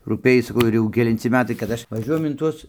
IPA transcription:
ruːˈpʲeːj sɐˈkɐʊ ɪr ˈjɛʊ kʲɛlʲɪnʲˈt͡sʲɪ ˈmʲæːtɐɪ kɐt ˈɐʃ ʋɐˈʒʲuɔjɛm ɪn ˈtuɔs

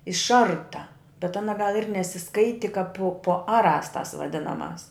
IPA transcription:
ɪʃˈɐrtɐ bʲɛt ˈɑːnɐ ɡɐlˠ ɪr nʲɛsʲɪˈskɐɪtʲɪ kɐp pʊ pʊ ˈɑːˌrɑːs tɐs ʋɐˈdʲɪnɐˌmɑːs

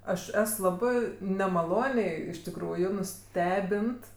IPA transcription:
ˈɐʃ ˈɛs ˈlˠɑːbɜ nʲɛmɐˈlˠoːnʲɛɪ ɪʃ tʲɪkˈruːjʊ nʊˈsʲtʲæːbʲɪnt

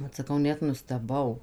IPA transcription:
ˈʋɐt sɐˈkɐʊ ˈnʲɛt nʊsʲtʲɛˈbɐʊ

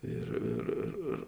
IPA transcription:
ˈɪr ɪr ɪr ɪr

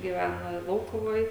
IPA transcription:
ɡʲiːˈʋʲænɐ ˈlˠɐʊkʊʋoːj

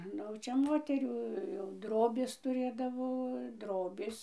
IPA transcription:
ˈnʊ jɛʊ ˈt͡ʃʲɛ ˈmoːtʲɛrʲuː jɛʊ ˈdroːbʲeːs tʊˈrʲeːdɐʋoː ˈdroːbʲeːs

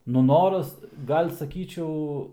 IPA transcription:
ˈnʊ ˈnoːrɐs ˈɡɐlʲ sɐˈkʲiːt͡ʃʲɛʊ

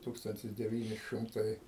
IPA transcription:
ˈtuːkstɐnʲtʲɪs dʲɛˈʋʲiːnʲɪ ˈʃɨmtɐɪ

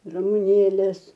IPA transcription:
rɐmʊˈnʲeːlʲeːs

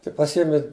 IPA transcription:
tɐɪ pɐˈsʲiɛmʲɪ

